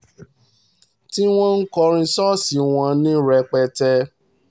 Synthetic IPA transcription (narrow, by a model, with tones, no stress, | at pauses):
ti˦w̃ɔ̃˦n̩˦kɔ˧ɾ̃ĩ˧sɔ˦si˨˧w̃ɔ̃˧nĩ˦ɾɛ˧k͡pɛ˧tɛ˧